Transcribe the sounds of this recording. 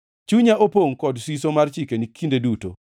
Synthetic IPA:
t͡ʃuɲaʔopoŋkɔdsisomart͡ʃikenikʰindeduto̰

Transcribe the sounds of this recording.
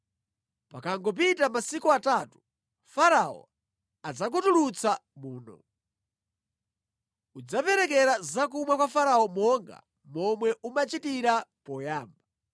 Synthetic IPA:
pakaŋɡɔp̬itamasikuatatu̥ | faɾaɔ̰ | ad͡zak̬utulut͡sʰamuːnɔ̰ | ud͡zapɛɾɛkɛɾazak̬umwakwafaɾaɔmɔŋɡa̰ | mɔmwɛʔumat͡ʃitiɾapɔjaːmba

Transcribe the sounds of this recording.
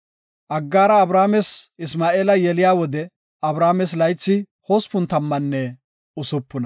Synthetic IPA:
ʔɐɡːaːɾɐːbɾaːmɛsɪsmaːeːlɐjɛlɪjaːwɔd̪ɛ | ɐbɾaːmɛs̬lɐjt͡sːɪ | hoːspʊnt̪ɐmːɐnːɛ | ʊsʊpːʊnɐ

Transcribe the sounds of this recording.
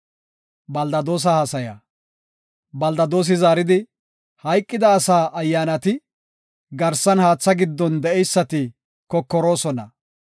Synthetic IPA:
bɐld̪ɐd̪o̞ːs̬ɐhasɐja̰ | bɐld̪ɐd̪o̞ːs̬ɪzaːɾɪd̪ɪ | hɐjkʼːɪd̪ɐːsaːʔɐjːaːnɐt̪ɪ | ɡɐɾsɐnhaːt͡sːɐɡɪd̪ːɔnd̪ɛɛjsːɐt̪ɪ | kɔkːɔɾo̞ːsɔnɐ̰

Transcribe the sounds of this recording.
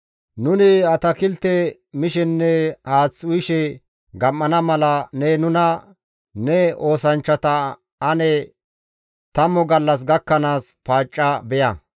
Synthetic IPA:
nʊnɪɐt̪ɐkɪlt̪ɛ | mɪʃɛnːɛhaːt͡sːʊjɪʃɛ | ɡɐmːɐnɐmɐlɐnɛnʊnɐ | nɛo̞ːsɐnt͡ʃːɐt̪ɐ | ɐnɛ | t̪ɐmːɔɡɐlːɐs̬ɡɐkːɐnaːspaːt͡ʃʼːɐbɛjɐ̰

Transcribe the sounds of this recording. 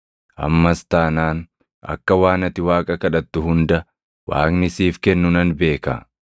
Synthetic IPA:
ʔɐ̰mːɐst̪aːnaːn | ɐ̰kːɐwaːnɐt̪ːɪwaːkʼɐkɐᶑɐt̪ːʊhʊnd̪ɐ | wa̰ːknɪsiːfkɛnːʊnɐnbe̞ːka̰

